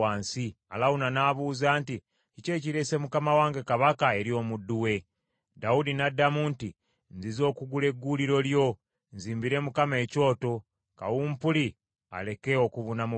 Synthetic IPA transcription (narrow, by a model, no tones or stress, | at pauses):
aːnsi | a̰lawunanaːβuːzaːnti | cice̞ːciɾese̞mukamawaːŋɡe̞kaβakae̞ɾio̞mudːuwe̞ | daudinadːamunti | nzizo̞ːkuɡule̞ɡːuliɾo̞ljo̞ | nziːmbiɾe̞mukame̞ːco̞ːto̞ | ka̰wumpuli | a̰le̞keokuβunamu